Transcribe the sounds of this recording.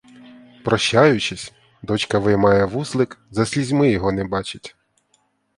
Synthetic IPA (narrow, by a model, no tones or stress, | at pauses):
pɾɔʃːajʊt͡ʃɪsʲ | d̪ɔt͡ʃkɐʋɪmɑjɛʋuslˠɪkzɐsʲlʲizʲmɪjɔɦɔnɛbɑt͡ʃɪtʲ